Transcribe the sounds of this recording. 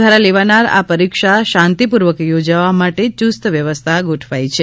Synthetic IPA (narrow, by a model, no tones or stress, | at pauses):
aɾaleʋanaɾa̰pəɾikʃaʃãnt̪ipuɾʋəkjod͡ʒaʋamaʈet͡ʃust̪ʋjəʋəst̪ʰaɡoʈʰʋajt͡ʃʰe